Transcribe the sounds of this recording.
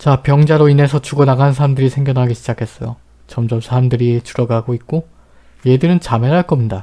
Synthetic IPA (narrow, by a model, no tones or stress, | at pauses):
t͡ɕapjʌŋd͡ʑaɾoine̞sʰʌt͡ɕuɡʌnaɡansʰaɾamdɯɾisʰe̞ŋɡjʌnɦaɡiɕʰid͡ʑakʰe̞s͈ʌjo | t͡ɕʌmd͡ʑʌmsʰaɾamdɯɾit͡ɕuɾʌɡaɡoit̚k͈o | jedɯɾɯnt͡ɕameɦaɭk͈ʌmɲida